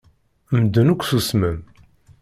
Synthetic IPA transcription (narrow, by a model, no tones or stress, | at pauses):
md̪ːənukʷːθusməm